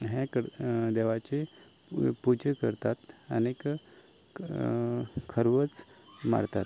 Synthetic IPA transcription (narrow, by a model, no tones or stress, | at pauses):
ɦẽkəd̪eʋat͡ɕe | pud͡ʑəkəɾt̪at̪ə̰nek | kʰəɾʋət͡s | ma̰ɾt̪at̪̚